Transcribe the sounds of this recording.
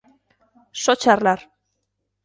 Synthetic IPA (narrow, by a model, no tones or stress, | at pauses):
sot͡ʃarlar